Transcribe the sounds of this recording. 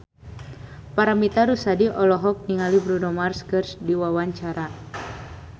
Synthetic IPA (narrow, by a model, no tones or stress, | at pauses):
paɾamit̪aɾusadiʔɔlɔɦɔk̚niŋalibɾunɔmarskərsdiwawaɲt͡ʃaɾa